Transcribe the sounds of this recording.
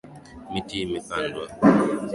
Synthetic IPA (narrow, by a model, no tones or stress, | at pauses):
mitimifandwa